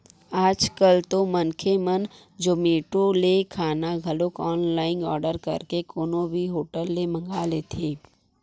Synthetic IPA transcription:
aːd͡ʒkəlt̪omənkʰemən | d͡ʒoːmeːʈolekʰaːnaɡʱɐlokɔːnlaːɪnɔːɾɖəɾkɐ̰ɾkekoːnõbʱiɦoːʈəlːemə̃ŋɡaːlet̪ʰeː

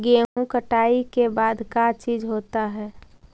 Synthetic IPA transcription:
ɡeːũkəʈaːikebaːd̪kat͡ʃiːd͡ʒɦoːt̪aɦɛː

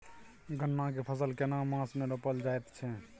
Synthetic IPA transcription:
ɡʱənːak̬epʰəs̬əlkenamãsmeɾəpəld͡ʒaet̪t͡ʃʰɛ

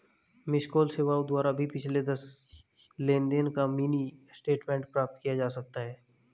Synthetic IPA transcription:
mɪskoːlseːʋaːud̪waːɾabʱipɪt͡ʃʰled̪ɐs | lẽːnd̪enkamiːnisʈeːʈmɛ̃ɳʈ̚pɾaːp̚t̪kijad͡ʒaːsɐk̚t̪aɦɛː

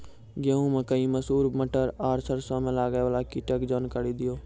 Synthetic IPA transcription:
ɡeɦũmẽkəĩməsuːɾməʈəɾaːɾsəɾsãmẽlaːɡeʋəːlakɪʈəkd͡ʒɔnkəɽid̪ɪjoː

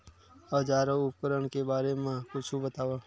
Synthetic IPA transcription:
əd͡ʒaːɾõʊp̚kəɾəɳkebaːɾemãkʊt͡ʃʰubət̪aːʋaː

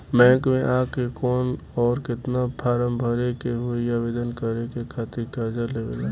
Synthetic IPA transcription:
mɛ̃ːŋkmẽʔaːkekɔːnɔːɾkɪt̪napʰaːɾəmbʱəɾekeɦoijaʋɪd̪ənkəɾekekʰaːt̪ɪɾkəɾd͡ʒəleʋḛlaː

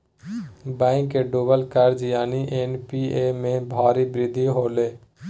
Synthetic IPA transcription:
bɛ̃ːɪ̃ŋkeːɖuːbəlkəɾd͡ʒjaːniːʔeːnpiːeːmẽːbʱaːɾiːbɾɪd̪ʱːiːɦoːleː

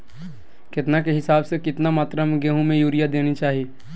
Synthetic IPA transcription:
kɪt̪nakeɦɪsaːbsekɪt̪namaːt̪ɾəmɡeːɦũmẽjuːɾijad̪eːnit͡ʃaːɦieː

